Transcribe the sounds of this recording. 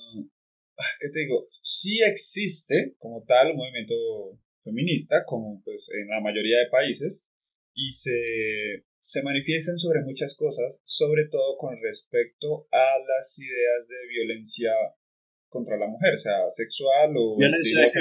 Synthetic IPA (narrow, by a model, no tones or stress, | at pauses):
ake̞t̪eðiɣo̞ | sie̞ksist̪e̞ko̞mo̞t̪almo̞βimjent̪o̞ | fe̞mĩnist̪ako̞mopwe̞sḛnlamaʝo̞ɾiaðe̞paise̞s | ise | se̞manifje̞st̪ans̬o̞βɾe̞mut͡ʃasko̞sasːo̞βɾe̞t̪o̞ð̞o̞ko̞nre̞spe̞k̚t̪o̞alasiðe̞azd̪e̞βjo̞le̞nsja | ko̞nt̪ɾalamuxe̞ɾose̞asekswaloi